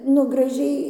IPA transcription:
nʊ ɡrɐˈʒʲɛɪ

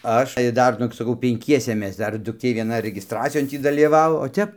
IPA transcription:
ˈɐʃ ɪr ˈdɐr ˈnʊɡʲɪ sɐˈkɐʊ pʲɛŋʲˈkʲiɛsʲɛ ˈmʲɛs ˈdɐr dʊkˈtʲeː ʋʲiɛˈnɐ rʲɛɡʲɪsˈtrɑːt͡sʲɪjoːn ˈtʲiː dɐlʲiːˈʋɑːʋoː oː ˈtʲɛp

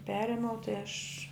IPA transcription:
ˈpʲæːrʲeːmʲɛʊ tɐɪ ɐʃ

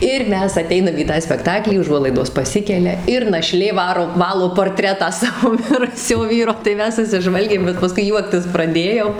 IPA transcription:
ɪr ˈmʲɛs ɐˈtʲɛɪnɐm iː ˈtɑː sʲpʲɛkˈtɑːklʲiː ʊˈʒuɔlˠɐɪdoːs pɐˈsʲɪkʲɛlʲɛ ɪr nɐˈʃʲlʲeː ˈʋɑːroː ˈʋɑːlˠoː poːrʲˈtʲrʲæːtɑː ˈsɑːʋoː ˈmʲɪrʊsʲoː ˈʋʲiːroː tɐɪ ˈmʲɛs sʊsʲɪˈʒʋɐlʲɡʲeːm bʲɛt pɐˈskʊɪ ˈjuɔktʲɪs prɐˈdʲeːjoːm

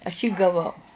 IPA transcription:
ɐʃ jiː ɡɐˈʋɐʊ

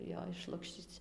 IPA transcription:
joː ɪʃˈlˠʊkʃʲt͡ʃʲiːt͡s

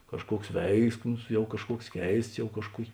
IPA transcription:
kɐʃˈkuɔks ˈʋʲɛɪksmʊs ˈjɛʊ kɐʃˈkuɔks ˈkʲɛɪsts ˈjɛʊ kɐʃˈkuɔkʲ

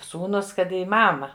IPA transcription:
ˈsuːnuːs ˈkɐt iː ˈmɑːmɐ

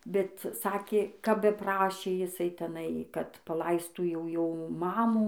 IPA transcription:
bʲɛt ˈsɑːkʲeː kɐp bʲɛˈprɑːʃʲeː jɪˈsɐɪ tʲɛˈnɐɪ kɐt pɐˈlˠɐɪstuː jɛʊ ˈjoː ˈmɑːmuː

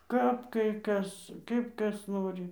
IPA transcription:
ˈkɐp kɐɪ ˈkɐs ˈkɐɪp ˈkɐs ˈnoːrʲɪ

